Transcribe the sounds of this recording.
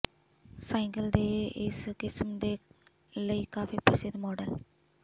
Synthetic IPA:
sɛ̃ːŋɡəld̪eːɪskɪsmd̪eː | ləiːkaːfiːpɾəsɪd̪mɔːɖəl

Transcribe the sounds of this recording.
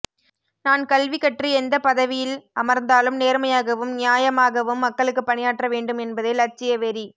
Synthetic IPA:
naːnkɐlʋɪkːɐʈriɛnd̪ɐpɐðɐʋɪjɪlɐmɐɾnd̪aːlɯmneːɾmɐjaːɣɐʋɯmnɪjaːjɐmaːɣɐʋɯmːɐkːɐɭɯkːɯpːɐɳɪjaːʈrɐʋeːɳɖɯmɛnbɐðeːlɐɾt͡ʃːɪjɐʋɛɾi

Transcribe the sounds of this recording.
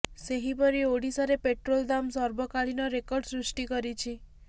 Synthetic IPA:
seɦipɔɾioɽisaɾepeʈɾold̪amsɔɾbɔkaɭinɔɾekɔɾɖsɾisʈikɔɾit͡ʃʰi

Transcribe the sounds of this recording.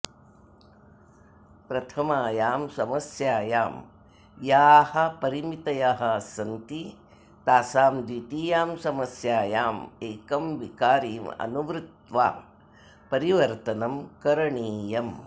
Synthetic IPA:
pɾɐt̪ʰɐmaːjaːmsɐmɐsjaːjaːm | jaːhɐ̆pɐɾimit̪ɐjaɦɐsɐnt̪i | t̪aːsaːmd̪wiːt̪iːjaːmsɐmɐsjaːjaːmeːkɐmʋikaːɾiːmɐ̰nuʋɾɪt̪ʋa̰ː | pɐɾiʋɐɾt̪ɐnɐmkɐɾɐɳiːjɐm

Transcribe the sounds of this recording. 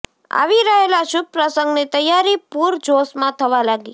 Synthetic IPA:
a̰ʋiɾəɦelaʃʊb̚pɾəsəŋɡnit̪əjːaɾipuɾd͡ʒosmãt̪ʰəʋalaɡi

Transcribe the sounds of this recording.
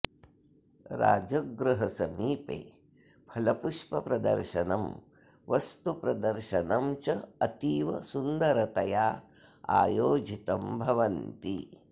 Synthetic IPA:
ɾa̰ːd͡ʒɐɡɾɐɦɐsɐmiːpḛː | pʰɐlɐpuʂpɐpɾɐd̪ɐ̰ɾʃɐnɐm | ʋɐst̪upɾɐd̪ɐɾʃɐnɐmt͡ʃɐɐt̪iːʋɐsund̪ɐɾɐt̪ɐjaː | a̰ːjoːd͡ʒit̪ɐmbʱɐʋɐnt̪ḭ

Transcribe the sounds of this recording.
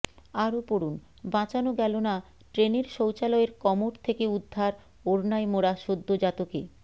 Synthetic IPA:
aɾopoɾun | bãt͡ɕanoɡɛlona | ʈɾeneɾʃowt͡ɕalɔeɾkɔmoʈt̪ʰekeud̪ʱːaɾ | oɾnaemoɾaʃod̪ʱːod͡ʑat̪oke

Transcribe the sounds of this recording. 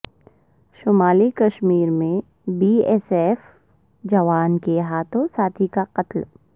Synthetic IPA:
ʃʊmaːlikɐʃmiːɾmẽ | biːɛːseːf | d͡ʒɐʋaːnkeɦaːt̪ʰõsaːt̪ʰikaqɐt̪l

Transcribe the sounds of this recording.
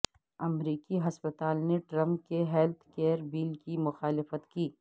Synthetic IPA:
ɐmɾiːkiɦɐspət̪aːlneʈɾɐ̃mp̚keɦɛlt̪ʰkeːɾbiːlkimʊxaːlɪfət̪kiː

